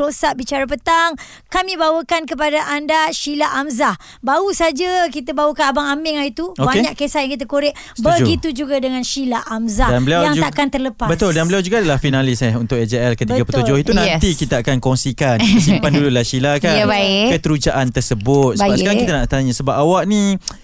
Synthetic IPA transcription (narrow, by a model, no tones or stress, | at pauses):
osaʔbit͡ʃaɾapət̪aŋ | kamĩbawəkankəpadaʔandaʃilaʔamzah | bausad͡ʒakit̪abawəkanabaŋamɪŋait̪uobaeɲaʔkesahjãŋkit̪əkoɾɪʔbəɡit̪ud͡ʒuɡadəŋãnʃilaʔamzahdanbəliawaŋuaʔakant̪ərləpabət̪ʊldanbəliawd͡ʒuɡaːdalahfinalɪsɛɦunt̪ʊk̚ɛd͡ʒeɛlkət̪iɡapət̪ud͡ʒohit̪unãnt̪ikit̪aakankɔŋsikanəsimpandululahʃilakabakət̪əɾud͡ʒaʔant̪ərsəbʊt̪̚səbapsəkaɾaŋkit̪anaʔt̪aɲasəbap̚awaʔ̚nĩ